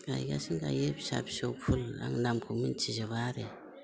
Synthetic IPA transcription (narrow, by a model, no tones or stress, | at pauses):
a̰jɡa̰siŋɡa̰jepsa̰psopʰula̰ŋnamkʰumint͡ʃizaβaɾe